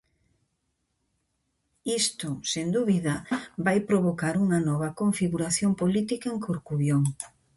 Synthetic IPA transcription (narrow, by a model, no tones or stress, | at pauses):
ist̪osend̪uβiðɐbajpɾoβokaɾuŋɐnɔβɐkoɱfiɣuɾaθjompolit̪ikaeŋkoɾkuβjoŋ